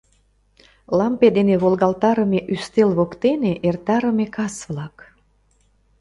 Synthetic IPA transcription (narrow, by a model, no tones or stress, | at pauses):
lɑmped̪eneβolɣɑlt̪ɑɾəmeʔyst̪elβokt̪eneʔert̪ɑɾəmekɑsβlɑk